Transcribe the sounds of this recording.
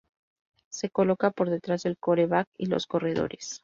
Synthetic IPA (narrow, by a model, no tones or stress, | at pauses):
se̞ko̞lo̞kapo̞ɾðe̞t̪ɾazðe̞lko̞ɾe̞βakḭlo̞̰sko̞re̞ðo̞̰ɾe̞s